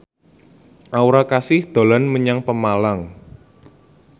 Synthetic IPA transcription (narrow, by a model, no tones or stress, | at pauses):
ʔauɾakasɪhd̪̥o̤lɔnməɲaŋpəmalaŋ